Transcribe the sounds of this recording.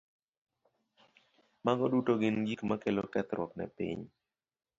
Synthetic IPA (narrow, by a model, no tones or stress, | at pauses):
maŋɡɔdutoɡɪnɡikmakelokɛt̪ɾwɔknɛ̰pḭɲ